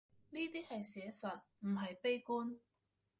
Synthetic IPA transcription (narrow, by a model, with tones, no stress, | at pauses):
niː˥t̪iː˥hɐ˨jsɛː˨˥sɐ˨t̚m̩˨˩ɦɐ˨jpe˥jkuː˥n